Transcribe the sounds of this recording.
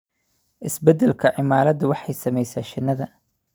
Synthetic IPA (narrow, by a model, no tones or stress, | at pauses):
ʔɪsbɛd̪ɛlkʰɐʕɪmaːɾɐd̪ʊwɑħɑjsɐmɛjsaːʃɪnːɐðɐ